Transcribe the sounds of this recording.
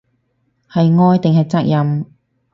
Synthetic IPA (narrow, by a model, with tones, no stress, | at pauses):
hɐ˨jŋɔː˧jt̪ɪ˨ŋɦɐ˨jt͡sɐ˥k̚jɐ˨m